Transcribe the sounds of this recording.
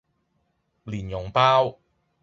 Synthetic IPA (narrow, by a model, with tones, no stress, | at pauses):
liː˨˩njʊ˨˩ŋpaː˥w